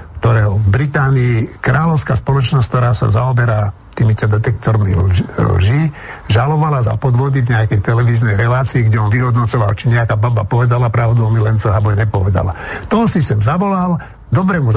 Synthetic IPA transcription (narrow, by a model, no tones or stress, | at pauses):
kt̪ɔɾɛːɦɔvbɾit̪aːniːkɾaːlɔʊskaːspɔlɔt͡ʃnɔsʲkt̪ɔɾaːsa̰zaɔbɛɾa | t̪iːmicad̪ɛt̪ɛk̚t̪ɔɾmḭllʒiʒalɔʋalaza̰pɔd̪ʋɔd̪ivɲɛakɛjt̪ɛlɛʋiːznɛjɾɛlaːt͡siːɡɟɛɔnʋiɦɔd̪nɔt͡sɔʋa̰lt͡ʃiɲɛakaːbabapɔʋɛd̪alapɾaʊd̪umilɛnt͡sɔɦabɔɲɛpɔʋɛd̪a̰la̰t̪ɔsisɛmzaʋɔlal | d̪ɔbɾɛmuz